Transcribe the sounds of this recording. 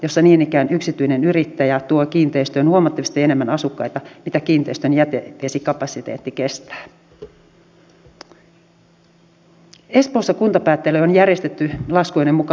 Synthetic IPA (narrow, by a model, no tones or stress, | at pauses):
jo̞sːɑniːnikæːnyksit̪yinenyɾit̪ːæjæt̪uokiːnt̪eist̪øːnhuomɑt̪ːɑʋist̪ienemːænɑsukːɑjt̪ɑmit̪ækiːnt̪eist̪ønjæt̪eeːsikɑpɑsit̪ḛːt̪ːikest̪æ̥ː | e̞spoːsːɑkunt̪ɑpæːt̪ːeløonjærjest̪et̪ːylɑskoinemmukɑ